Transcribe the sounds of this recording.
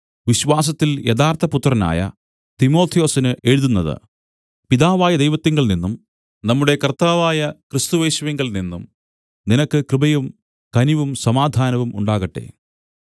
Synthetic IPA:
ʋiɕʋaːs̬ɐt̪ːiljed̪aːrt̪ʰɐput̪ːrɐna̰ːjɐ̰ | t̪imo̞ːt̪ʰijo̞ːsinɨʔeːɻuðunːɐðɨ̰ | piðaːʋaːjɐd̪ejʋɐt̪ːiŋɡɐɭninːum | nɐmːuɽe̞kɐrt̪aːʋaːjɐkrɨst̪uʋeːɕuʋɐŋɡɐɭninːum | ninɐkːɨkrɨbɐjum | kɐniʋumsɐmaːd̪ʱaːnɐʋumṵɳɖaːɣɐʈːe̞̰

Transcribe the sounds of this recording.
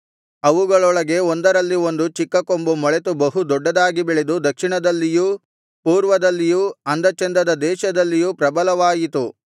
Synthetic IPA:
ɐʋuɡɐɭɔɭɐɡe̞ond̪ɐɾɐlːio̞nd̪ut͡ʃikːɐkombumɔɭet̪ubɐɦud̪ɔɖːɐd̪aːɡibiɭed̪ud̪ɐkʂiɳɐd̪ɐlːiju | puːɾʋɐd̪ɐlːijuɐnd̪ɐt͡ʃɐnd̪ɐd̪ɐd̪ɛːʃɐd̪ɐlːijupɾɐbɐlɐʋaːjit̪u

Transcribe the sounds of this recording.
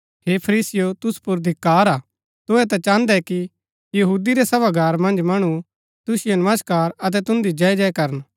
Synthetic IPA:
ɦeːpʰɐɾiːsɪjot̪ʊspʊɾd̪ʱɪkːaːɾaː | t̪ʊɛt̪ãt͡ʃãːnd̪ɛki | jɐɦuːd̪iɾɛsɐbaɡʱaːɾmɐ̃nd͡ʒmɐɽ̃u | t̪ʊsɪjonɐməskaːɾɐt̪̬ɛt̪ʊ̃nd̪id͡ʒɐɛd͡ʒɛɛkɐɾən

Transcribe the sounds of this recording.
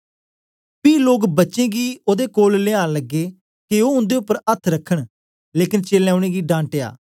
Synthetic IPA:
piːloːkbətːt͡ʃẽːɡiːoːd̪ekoːlleãːləɡːeː | keoːʊ̃nd̪eʊpːəɾət̪ʰɾəkʰːəɽ̃ | leːkɪnt͡ʃeːlɛːʊɽ̃eːɡiːɖãːɳʈeːa̰ː

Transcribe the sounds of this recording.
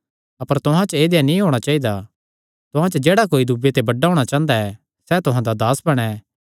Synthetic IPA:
ɐpəɾt̪ʊɦãt͡ʃəeːd̪ejanĩɦoːɽ̃at͡ʃaːid̪a | t̪ʊɦãt͡ʃəd͡ʒeːɽakoːid̪ubet̪ebɐɖːaɦoːɽ̃at͡ʃãːə̃nd̪aɛ | sɛt̪ʊɦãd̪ad̪aːsbɐɽ̃ɛː

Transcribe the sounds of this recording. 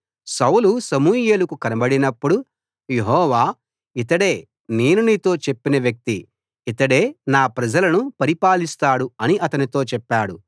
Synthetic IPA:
sɐwlusɐmuːjeːlukukɐnɐbɐɽinɐpːuɽu | jeɦɔːʋaː | it̪ɐɽe̞ː | ne̞ːnuniːt̪o̞ːt͡ʃepːinɐʋjɐk̚t̪i | it̪ɐɽe̞ːnaːpɾɐd͡ʒɐlɐnupɐɾipaːlist̪aːɽuɐniʔɐt̪ɐnit̪o̞ːt͡ʃɛpːaːɽu

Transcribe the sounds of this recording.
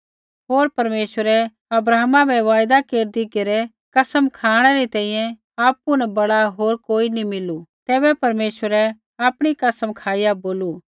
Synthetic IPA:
ɦoːɾpɐɾmeːʃəɾɛ | ɐbɾaːmãbʱɛʋaːjd̪akeːɾd̪ikeɾɛ | kɐsəmkʰaːɽ̃ɛɾit̪ɛ̃ːĩjɛ̃ | aːpunɛbɐɽaɦoːɾkoːinimɪlut̪ɛːbɛpɐɾmeːʃʋəɾɛ | aːpɽ̃ikɐsəmkʰaːɪjaboːlu

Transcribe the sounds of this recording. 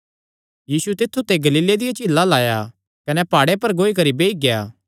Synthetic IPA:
jiːsut̪ɪt̪ʰːut̪eɡɐliːled̪ɪjat͡ʃɪlːalaːja | kɐnɛpaːɽepɐɾɡoːik̬ɐɾibeːiɡjaː

